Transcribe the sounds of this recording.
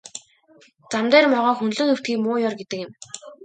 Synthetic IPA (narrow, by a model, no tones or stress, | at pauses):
t͡samt̪æːrmɔʁɔːxɵnɮɵ̆nxɵw̥t̪ɡiːkmʊːjɔrɡet̪ɘ̆kɪ̆m